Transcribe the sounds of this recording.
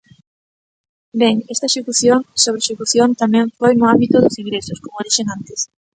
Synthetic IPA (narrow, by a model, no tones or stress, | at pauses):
beŋɛst̪ɐeʃekuθjonsoβɾeʃekuθjont̪amɛ̃ɱfojnʊambit̪ʊðʊsiŋɡɾesʊskomoðiʃeŋant̪es